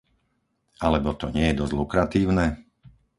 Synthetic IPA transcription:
ʔalɛbɔt̪ɔɲɪɛjɛd̪ɔzlukɾat̪iːʊnɛ

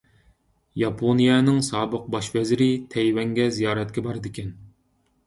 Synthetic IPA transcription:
jɑpʰonijɛnɨŋsɑːbəq̚bɑʃvɛzɾɪt̪ʰɛjwɛŋɡʲɛzijɑːɾɛt̪̚kʲɛbɑɾd̪ɪkʲʰɛn

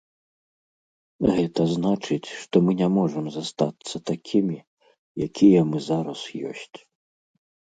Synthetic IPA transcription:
ɣɛt̪ɐznat͡ʂɨt͡sʲʂt̪ɔmɨnʲɛmɔʐɐmzast̪at̪sːɐt̪akʲʰimʲi | jakʲijɛmɨzaɾɐsjɔ̰sʲt͡sʲ

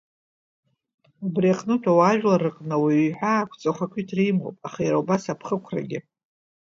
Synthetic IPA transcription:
abriaqʼnɨtʰawaʒᶣlaɾɨqʼnɨwiiħʷᶣaːkʷʰt͡sʼaχʷakʷʰitʰrijmo̰pʼaχajaɾaubasapʰχəkʷʰra̰ɡʲɪ

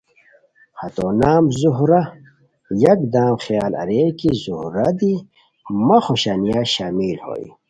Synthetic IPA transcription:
hɐt̪onaːmzuɦɾɐ | jɐk̚d̪aːmxjaːlɐ̰ɾeːkizuhɾɐd̪i | mɐxoɕanijaɕaːmilho̰ːḭ

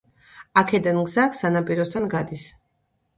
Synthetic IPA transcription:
akʰɛd̪anɡzakʰsanapʼiɾɔst̪ʰanɡad̪is

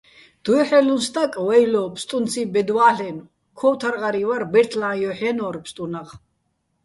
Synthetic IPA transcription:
d̪̥ɔɔħɛlunst̪ʰʼakʼwɛjlɔpʰst̪ʼunt͡sʰibɛd̪waːɬɛn | kʰɔwt̪ʰaɾʁaɾivaɾbɛɾt̪ʰlãjɔħɛnɔɾpʰst̪ʼunaq

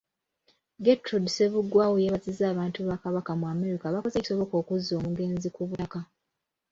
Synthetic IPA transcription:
ɡetɾodse̞βudwaːwojeβazizaːβaːntuβakaβakamuame̞ɾikaβakozeci̥so̞βo̞ko̞ːkuzo̞ːmuɡe̞ːnzikuβutaka

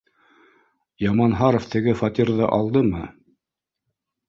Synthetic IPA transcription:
jɑmɑnɦɑɾoft̪ɘ̆ɡɘfɑt̪ʲiɾðɤʔɑlˠd̪ɤmɤ

